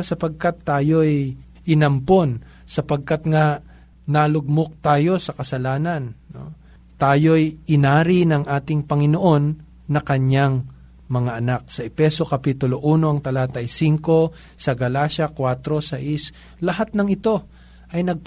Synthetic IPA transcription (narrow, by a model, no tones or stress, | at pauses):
sɐpɐɡ̚kat̪ːaːjo̞j | ʔɪnɐmpo̞n | sɐpɐɡ̚kat̪ŋa | nalʊɡ̚mok̚t̪aːjo̞sɐkɐsɐlaːnɐnːo̰ | t̪aːjo̞jʔɪnaːɾɪnɐŋʔaːt̪ɪŋpɐŋɪno̞ʔo̞nː | ɐkɐɲaŋ | mɐŋaʔɐnak̚sɐʔɛpɛso̞kɐpiːt̪ʊloʔuːno̞ɐŋt̪ɐlaːt̪ɐjsiŋko̞ | sɐɡɐlaːʃɐkwat̪ɾo̞sɐʔɪs | lɐɦat̪̚nɐŋɪt̪o̞ | ʔɐjnɐɡ̚p